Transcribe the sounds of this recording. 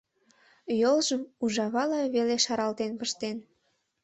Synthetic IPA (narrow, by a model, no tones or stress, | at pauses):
jolʒəmuʒɑβɑlɑβeleʃɑɾɑlt̪enpəʃt̪en